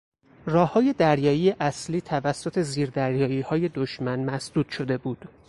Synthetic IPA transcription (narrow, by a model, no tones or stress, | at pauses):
rɒːhːɒːje̞d̪æɾjɒːiːjeʔæsliːt̪ʰævæsːo̞t̪ʰe̞ziːɾd̪æɾjɒːiːhɒːje̞d̪oʃmænmæsd̪̥uːd̪̥ʃo̞d̪e̞buːd̪̥